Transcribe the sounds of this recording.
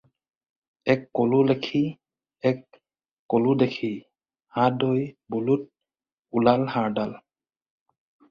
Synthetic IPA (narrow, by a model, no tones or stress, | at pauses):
ɛkːolulɛkʰi | ɛkː | oludɛkʰi | hãdojbɔlut̚ | ulalhaɹdal